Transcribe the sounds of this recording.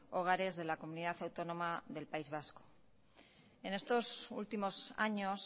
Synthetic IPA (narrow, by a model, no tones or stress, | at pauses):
oɣ̞aɾe̞zðe̞lako̞muniðaθawt̪o̞no̞maðe̞lpaizβ̞asko̥ | e̞ne̞st̪o̞sṵlt̪imo̞sa̰ɲos